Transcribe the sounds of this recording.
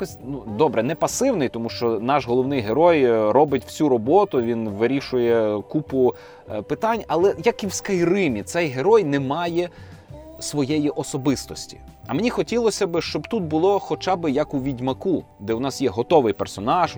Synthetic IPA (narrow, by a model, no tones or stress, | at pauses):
kɔsʲnud̪ɔbɾɛnɛpɐsɪwnɪjt̪ɔmuʃt͡ʃɔnɑʃɦɔlˠɔwnɪjɦeɾɔjɾɔbɪtʲw̥sʲuɾɔbɔt̪ʊʋʲinʋɪɾʲiʃʊjɛkupʊ | pɪt̪ɑnʲɐlˠɛjɐkiwskɐjrɪmʲit̪sɛjɦeɾɔjnɛmɑjɛ | sʋɔjɛjiʔɔsɔbɪst̪ɔsʲtʲi̥̰ | ɐmenʲixɔtʲilˠɔsʲɐbɪʃt͡ʃɔbt̪ut̪̚bʊlˠɔxɔt͡ʃɑbɪjɐkuʋʲidʲmɐku | d̪ɛwnɑsjɛɦɔt̪ɔʋɪjpersɔnɑʒ